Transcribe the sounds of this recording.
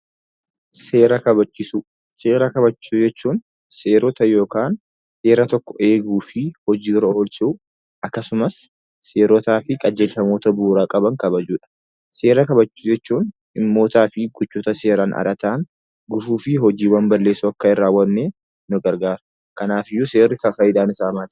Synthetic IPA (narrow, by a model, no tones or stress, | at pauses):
se̞ːɾɐkɐbɐt͡ʃːɪsu | se̞ːɾɐkɐbɐt͡ʃːɪ̥sud͡ʒɛt͡ʃːuːn | seːɾɔt̪ɐjo̞ːkaːn | se̞ːɾɐt̪ɔkːɔ̥ʔe̞ːɡuːfɪhɔd͡ʒiːɾɔoːlsɪʊ | ʔɐkːɐsʊmɐsː | e̞ːɾɔt̪aːfɪkʼɐd͡ʒeːlfɐmo̞ːt̪ɐbuːɾaːkʼɐbɐŋkɐbɐd͡ʒuːᶑɐ̥ | se̞ːɾɐkɐbɐt͡ʃːd͡ʒɛt͡ʃːuːn | ɪmːo̞ːt̪aːfɪɡʊt͡ʃːuːt̪ɐse̞ːɾaːnʔɐ̰ɾɐt̪aːŋ | ɡʊfuːfɪɦɔd͡ʒiːwɐmbɐlːe̞ːsʊɐkːɐɪrːaːwːɐnːeː | nʊɡɐɾɡaːɾʊ̥ | kɐnaːfɪjːɔse̞ːrːɪkɐfɐjɪd̪aːnɪsaːmaːt̪